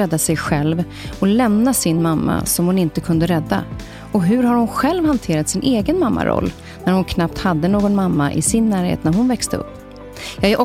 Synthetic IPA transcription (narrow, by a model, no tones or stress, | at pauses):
ɛd̪ːasɛjɧɛlv | ɔlɛmnasɪnmamːa̰sɔmhʊnɪnt̪əkʰɵnd̪əɾɛd̪ːa̰ | ɔɦɵɾhaɾhʊnɧɛlvhant̪ʰeːɾat̪sɪnʔeːɡənmamːa̰ɾʔɔ̰lː | næɾhʊnkʰnap̚t̪had̪ːənoːɡɔnmamːaʔɪ̰sɪnːæːɾhḛːt̪næɾɦʊnvɛkst̪əɵ̰pː | jɑːɡæʔɔ